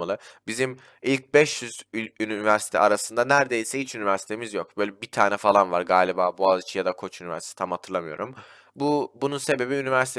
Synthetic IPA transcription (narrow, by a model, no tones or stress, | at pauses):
alˠɯbizim | ilʲc̚bɛʃjyzynivæɾsi̥t̪ʰɛ̰aɾasɯnd̪anæɾd̪e̞jisɛhit͡ʃynivæɾsi̥t̪ʰe̞mizjo̞k̚b̥ø̞ːjlʲɛbit̪ʰaːnɛfalˠanvaɾɡaːlʲibaːbuazit͡ʃʰijad̪akʰo̞t͡ʃynivæ̰ɾsit̪ʰe̥t̪ʰamhat̪ʰɯɾlˠamɯjo̞̰ɾum | bubununse̞be̞biynivæɾsi̥t̪ʰ